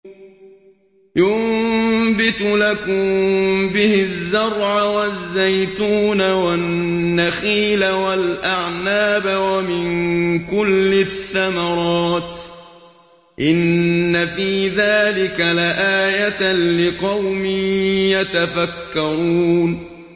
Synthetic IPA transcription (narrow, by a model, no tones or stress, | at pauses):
jʊmmbɪt̪lakʊmbɪhɪzːɑɾˤʕawazːajt̪uːnawaːaxiːlawalʔaʕnaːbawamɪnkʊlːɪθːamɑɾˤɑːt̪ | ʔɪnːafiːðaːlɪkalaʔaːjat̪lɪqɑwmɪnjat̪afakːɑɾuːn